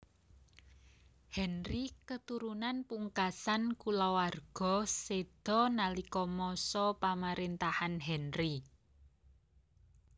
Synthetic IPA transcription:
hɛnrikət̪uɾunanpuŋkasankulawarɡ̥ɔ̤sed̪̥ɔ̤nalikɔmɔsɔpamaɾint̪ahanɦɛnri

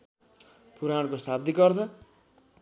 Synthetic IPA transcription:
puɾaɽkosab̚d̪ikʌrt͡sʰʌ

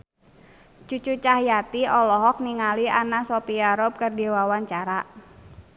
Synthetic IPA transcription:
t͡ʃut͡ʃut͡ʃahjat̪iɔlɔɦɔk̚niŋalianasopiaɾɔb̚kərdiwawaɲt͡ʃaɾaʔ

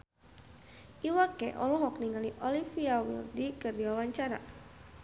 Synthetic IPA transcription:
ʔiwakɛʔɔ̰lɔɦɔk̚niŋaliʔɔlifiawḭldikərdiwawaɲt͡ʃaɾa̰

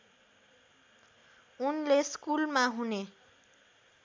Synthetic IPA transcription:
unleskulmaɦune

